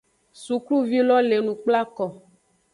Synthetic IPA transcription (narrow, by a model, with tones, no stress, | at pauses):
su˨klu˦vi˦lɔ˦le˨nũ˨k͡pla˦kɔ˨